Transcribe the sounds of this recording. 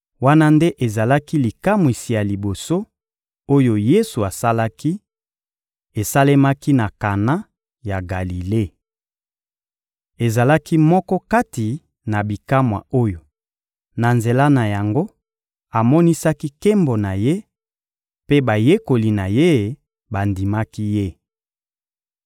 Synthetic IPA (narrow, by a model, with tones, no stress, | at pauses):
wa˦na˦nde˦ʔe˨za˨la˦ki˦li˨ka˦mwi˨si˨ja˨li˨bo˨so˦ | o˦jo˨je˦su˨a˨sa˦la˦ki˦ | e˨sa˦le˦ma˦ki˦na˨ka˨na˦ | ja˨ɡa˨li˨le˦˨ | e˨za˨la˦ki˦mɔ˦kɔ˦ka˦ti˨ | na˨bi˨ka˦mwa̰˨o˦jo˨ | na˨nze˨la˦na˨ja˨ŋɡo˦ | a˨mɔ˦ni˦sa˦ki˦ke˦mbo˨na˨je˦ | pe˦ba˨je˦ko˨li˨na˨je˦˨ | ba˨ndi˨ma˦ki˦je˦